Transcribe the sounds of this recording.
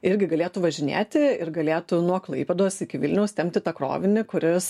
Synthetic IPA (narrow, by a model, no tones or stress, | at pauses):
ɪɾʲɡʲɪɡɐlʲeːt̪ʊʋɐʒʲɪnʲḛːt̪ʲɪɪɾɡɐlʲeːt̪ʊnuɔklˠɐɪpʲɛd̪oːsɪkʲɪʋʲɪlʲnʲɛʊst̪ʲɛm̚ʲt̪ʲɪt̪ɐkɾo̰ːʋʲɪnʲɪkʊɾʲɪs